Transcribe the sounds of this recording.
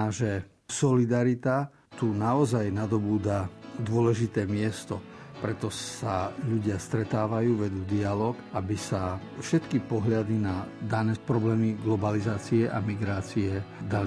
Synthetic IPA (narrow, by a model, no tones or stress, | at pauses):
aʒɛ | sɔlid̪aɾit̪a | t̪unaɔzajnad̪ɔbuːd̪ad̪ʊɔlɛʒit̪ɛːmɪɛst̪ɔ | pɾɛt̪ɔsaʎuɟɪast̪ɾɛt̪aːʋajuːʋɛd̪uːd̪ialɔːkʔabisafʃɛt̪kipɔɦʎad̪inad̪anɛːpɾɔblɛːmiɡlɔbalizaːt͡siɛʔa̰miɡɾaːt͡siɛd̪ali